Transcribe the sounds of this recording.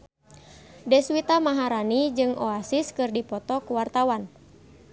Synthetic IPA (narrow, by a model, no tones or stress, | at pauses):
dɛswit̪amaɦaɾanid͡ʒɨŋɔasiskɨrdipɔt̪ɔkuwart̪awan